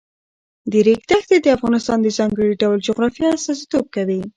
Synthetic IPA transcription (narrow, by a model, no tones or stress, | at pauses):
d̪əɾeɡd̪axd̪ed̪əafɣɑnɪst̪ɑnd̪əzɑŋɡəɽiɖawld͡ʒʊɣɾɑfjɑasɑsi̥t̪ob̚kawi